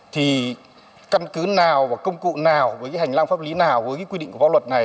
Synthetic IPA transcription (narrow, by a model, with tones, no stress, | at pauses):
t̪ʰi˨˩ | ka˧nkɨ˨˦naː˨˩wvaː˨˩kə˧wŋ͡mkṵ˧˨naː˨˩wvəː˨˦kaː˨˦ha˨˩ŋlaː˧ŋfaː˦˥p̚li˨˦naː˨˩wvəː˨˦jkaː˨˦kwi˧ḭ˧˨ŋkvaː˧wə˨˩t̚na˨˩